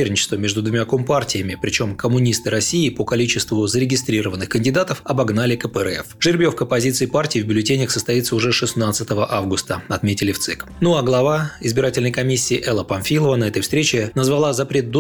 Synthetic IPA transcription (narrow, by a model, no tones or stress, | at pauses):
rnʲɪt͡ɕɪ̥st̪vəmʲe̞ʐd̪ʊd̪vʊmʲakompartʲɪjəmʲɪpɾʲɪt͡ɕo̞mkəmʊnʲist̪ɨɾɐsʲiɪpəkɐlʲit͡ɕɪst̪vʊzəɾʲɪɡʲɪst̪ɾʲiɾəvənːɨxkənʲdʲɪd̪at̪əfɐbɐɡnalʲɪkəpəɛ̰fʐ̥ɨɾʲbʲjofkəɐpɐzʲit̪sɨɪpartʲɪːvbʲʊlʲɪtʲenʲəxsəst̪ɐit̪səʊʐɛʂɨsnat̪sɨt̪əvəʔavɡʊst̪əɐt̪mʲetʲɪlʲɪft̪sɨk | nuaɡlˠɐvaɪzbʲɪɾatʲɪlʲnəjkɐmʲisʲːiːʔɛlˠəpɐnfʲilˠəvənɐɛt̪əjfst̪ɾʲet͡ɕɪnəzvɐlˠazɐpɾʲe̞t̪̚d̪o